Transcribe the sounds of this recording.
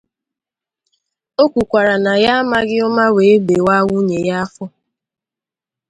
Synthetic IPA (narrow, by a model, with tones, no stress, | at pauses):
o˦kʷu˨kʷa˨ɾa˨na˨ja˦a˦ma˦ɡɪ˦ʊ˦ma˦we˨e˦ɡ͡be˨wa˦wu˦ɲe˨ja˦fʊ˦